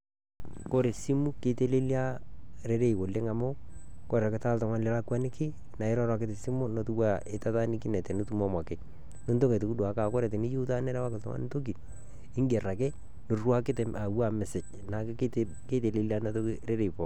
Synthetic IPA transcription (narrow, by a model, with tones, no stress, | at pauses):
ko˦ɾe˨si˦mu˦ke˨te˦le˦lja˦ɾe˦ɾe˦i˨wo˨le˦ŋa˨mo˦ | kɔ˦ɾa˨kɪ˨ta˦ltɔ˨ŋa˦nlɛ˨˦la˦kwa˦nɪ˦kɪ˦ | na˨ɪ˦ɾɔ˦ɾwa˨kɪ˦tɪ˨si˦mʊ˦no˨tu˦wa˦e˨ta˦ta˦nɪ˦kɪ˦nɛ˨tɛ˨no˦tu˦mɔ˦ma˨kɪ˨ | no˦nto˦ŋe˨to˨ku˦dwa˨˦ka˨kɔ˦ɾɛ˨t̬ɪ˨ni˦ju˦ta˦nɛ˦ɾɛ˦wa˦kɪ˨ltɔ̰˨ŋa̰˦n˦to˦ki˨ | ɪ˦ŋɡe˨ra˨kɛ˦ | nʊ˨rwa˦kɪ˦te˨ma˨wa˦˨mɛ˨sɪ˨t͡ʃ | na˨k | ke˦te˨le˨li˦a˦na˦to˦kiɾe˦ɾe˨i˨pɔ˨